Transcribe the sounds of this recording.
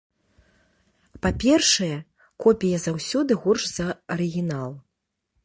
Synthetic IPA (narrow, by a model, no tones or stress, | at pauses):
papʲɛrʂɐjɛ | kɔpʲijɐzawsʲɔd̪ɨɣurʂz̥ɐɐɾɨɣʲinalˠ